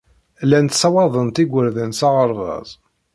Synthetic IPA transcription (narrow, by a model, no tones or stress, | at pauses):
lænt̪sɑwɑðˤənt̪iɡʷəɾðənsɑʁəɾˤʁɑ̰zˤ